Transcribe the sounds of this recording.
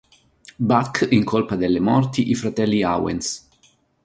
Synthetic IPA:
bakːiŋkʰolpad̪elːemɔrt̪iʔifɾat̪ɛlːiawḛns

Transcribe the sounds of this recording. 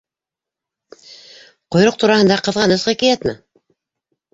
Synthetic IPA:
qŏjɾoq̚t̪uɾɑhɤ̆nd̪ɑqɤ̆ðʁɑnɤsʁɤkijæt̪nə̰

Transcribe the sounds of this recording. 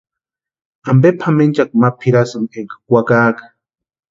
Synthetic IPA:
ambepʰament͡ʃak̚mapʰiɾasumeŋkḁkʷakaːkḁ

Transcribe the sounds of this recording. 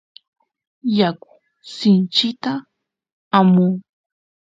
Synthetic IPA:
jakʊ̥ | sɪnt͡ʃɪt̪a | amuː

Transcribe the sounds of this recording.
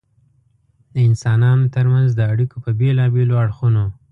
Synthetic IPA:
d̪əɪnsɑnɑnot̪əɾmanzd̪əaɽikopəbelɑbeloaɽxuno

